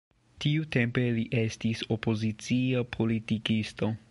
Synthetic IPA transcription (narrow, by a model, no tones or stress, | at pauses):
tiutempeliʔestisopozit͡siopʰolitikist̪o